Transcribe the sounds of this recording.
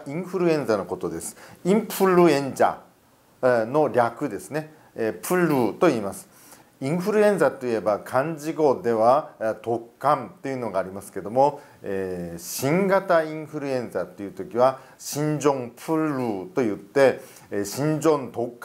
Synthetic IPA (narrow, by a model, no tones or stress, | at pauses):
ĩɰ̃ɸɯ̟ɾɯ̟ẽ̞nd͡zano̞ko̞t̪o̞d̪e̞sɨ̥ĩmpʰɯ̟ɾɯ̟ẽ̞ɲd͡ʑa̰ | no̞ɾʲakɯ̟d̪e̞sɨne̞ | pʰɯ̟ɾɯt̪o̞iːmasɨ̥ | ĩɰ̃ɸɯ̟ɾɯ̟ẽ̞ñd͡zat̪o̞ie̞bakʰãɲd͡ʑiɡo̞d̪e̞βat̪o̞kːãnt̪e̞iɯ̟no̞ɡaːɾʲimasɨ̥ke̞d̪o̞mo̞ | eːɕĩŋɡat̪aĩɰ̃ɸɯ̟ɾɯ̟ẽ̞nd͡zat̪ːe̞jɯ̟t̪okʲiβa | ɕĩɲd͡ʑõ̞mpʰɯ̟ɾɯ̟ːt̪o̞jɯ̟t̪ːe̞ | ɕĩɲd͡ʑõ̞nt̪o̞kː